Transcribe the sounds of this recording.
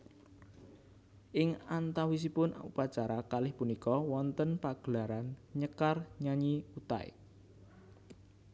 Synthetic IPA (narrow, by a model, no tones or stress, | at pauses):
ʔɪŋant̪awis̬ipʊnṵpat͡ʃaɾakalɪhpunikɔwɔnt̪ənpaɡ̥əlaɾanɲəkarɲaɲiut̪a̰ɪ̰